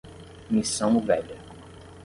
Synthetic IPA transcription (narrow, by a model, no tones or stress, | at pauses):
misɐ̃w̃uvɛʎɐ